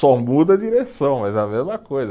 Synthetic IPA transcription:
ɔmud̪ɐd͡ʒiɾesɐ̃w̃mɐzɛɐmezmɐkojzɐ

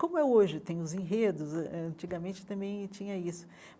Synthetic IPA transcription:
kõmʊɛoʒɪt̪ẽj̃ʊzẽɦed̪ʊzɐɛɐ̃nt͡ʃiɡɐmẽnt͡ʃɪ̥t̪ɐ̃mbẽj̃t͡ʃĩɲɐisʊ̥

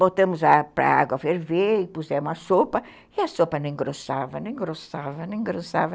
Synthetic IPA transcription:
bot̪ɐ̃mʊzlapɾɐ̰a̰ɡwɐfeɾveɪpuzɛũmɐsopɐ | iɐsopɐnẽj̃ɡɾosavɐnẽj̃ɡɾosavɐnẽj̃ɡɾosavɐ

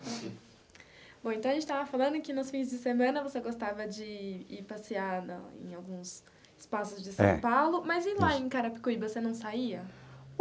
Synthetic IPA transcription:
b̥õẽnt̪ɐ̃ɐʒẽt͡ʃɪt̪avɐfalɐ̃nd̪ʊkɪnʊsfĩzd͡ʒɪsemɐ̃nɐvoseɡost̪avɐd͡ʒɪiɾpasiad̪ɐ̰ḛ̃j̃awɡũs | ɪ̥spasʊzd͡ʒɪsɐ̃ɛ̰̃pawlʊmɐzĩlaẽkaɾɐpi̥kuivosenɐ̃w̃saiɐ

